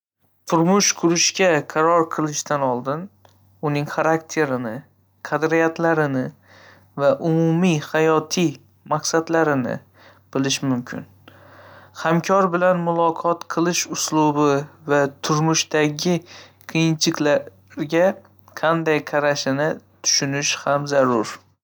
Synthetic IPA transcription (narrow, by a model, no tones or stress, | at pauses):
t̪ʰʊɾmʊʃqʰʊɾɪʃkʲaqʰɑɾɒɾqʰɨlˠɪʃt̪anɒlˠd̪ɪn | ʊnɪŋχaɾakt̪ʰe̞ɾɪnɪ | qʰɑd̪ɾijat̪ʰlaɾɪnɪ | vaʔʊmʊmihajɒt̪ʰij | maqsad̪laɾɪnɪ̰ | b̥ɪlɪʃmʊmkʲʰɪ̰n | hamkʲʰɒɾbɪlanmʊlˠɒqʰɒt̪qʰɨlˠɪʃʊslˠʊbɪvat̪ʰʊɾmʊʃt̪aɡʲɪqʰɨjɪnt͡ʃʰɪkʲla | ɾɡʲa | qʰɑnd̪ajqʰaɾaʃɪnɪt̪ʰʊ̥ʃʊnɪʃhamzaɾʊɾ